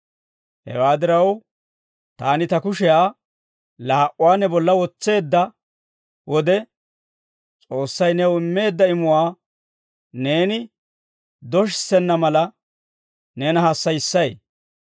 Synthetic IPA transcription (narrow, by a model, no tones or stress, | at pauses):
hɛ̰waːd̪ɪɾɐw | t̪aːnɪt̪ɐkʊʃɛjaː | laːʔʊwaːnɛbɔlːɐwɔt͡sːe̞ːd̪ːɐ | wɔd̪ɛ | t͡sʼo̞ːsːɐjnɛwɪmːe̞ːd̪ːɐɪmʊwaː | ne̞ːnɪ | d̪ɔʃ̬ɪsɛnːɐmɐlɐ | nɛnɐhɐsːɐjɪsːɐj